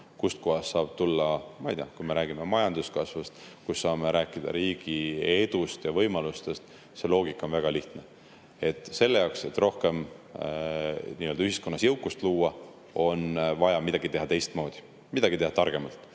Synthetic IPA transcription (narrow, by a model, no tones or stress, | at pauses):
kust̪̚kohɑsːɑːb̥̚t̪ulːɑmɑijt̪eɑkujme̞ɾæːɡ̥ime̞mɑjɑnd̪uskɑsvɑst̪kusːɑːme̞ɾʔæːkːˑid̪̥ɑ̰ɾiːɡ̥ie̞d̪̥ust̪jɑvɤjmɑlust̪e̞st̪ | se̞lo̞ːɡ̥ikːˑo̞nvæɡ̥ɑliht̪ne | e̞t̪ːˑse̞lːejɑwkset̪ːˑro̞hke̞m | niːøld̪̥yhisko̞nːɑsjɤwkːˑust̪luːɑ | o̞nvɑjɑmid̪̥ɑɡ̥it̪e̞ɦɑt̪e̞jst̪mo̞ːd̪̥i̥ | mid̪ɑɡ̥it̪e̞hɑt̪ɑrɡ̥e̞mɑlt̪ːˑ